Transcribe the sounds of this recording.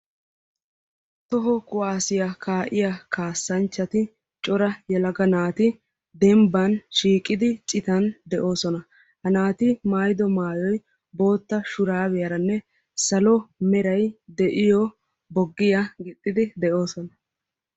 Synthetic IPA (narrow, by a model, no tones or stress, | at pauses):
t̪ɔɦɔkʊʔaːsɪjakʰaːʔɪjakaːsːɐnt͡ʃːɐt̪ɪ | t͡ʃʼɔɾɐjɛlɐɡɐnaːt̪ɪ | d̪ɛmbɐnʃiːkʼːɪd̪ɪt͡ʃʼɪt̪ɐnd̪ɛʔo̞ːsɔnɐ | hɐnaːt̪ɪmaːjd̪ɔmaːjɔj | bo̞ːt̪ːɐʃʊɾaːβɛjɐɾɐnːɛ | sɐlɔmɛɾɐjd̪ɛʔɪjɔ | bɔɡːɪjɐɡɪt̪ʼːɪd̪ɪd̪ɛʔo̞ːsɔnɐ